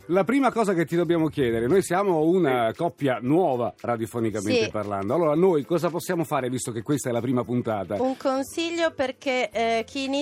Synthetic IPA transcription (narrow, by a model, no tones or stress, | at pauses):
lapɾiːmakɔːzaket̪ːid̪objaːmok̟jɛːd̪eɾenoːjsjaːmounakɔpːjanwɔːvarad̪jofonikaent̪eparla̰nd̪oalːoːɾanojkɔːzaposːjaːmofaːɾevist̪okekːwest̪aɛlapɾiːmapunt̪aːt̪auŋkonsiʎːoperkekʰini